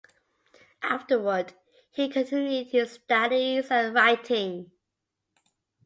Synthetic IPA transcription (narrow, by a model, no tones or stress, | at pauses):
ʔaftəwəd | hikʰə̃ntʰɪ̃njʉd̚tʰɨstʌɾizə̃nɹaɪtʰɪ̃ŋ